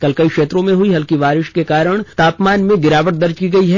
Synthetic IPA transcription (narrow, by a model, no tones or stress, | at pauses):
kɐlkɐikʃeːt̪ɾõmẽɦʊiɦɐlkiʋaːɾɪʃkekaːɾəɽ̃t̪aːpmaːnmẽɡɪɾaːʋəʈ̚d̪ɐɾd͡ʒkiɡɐiɦɛ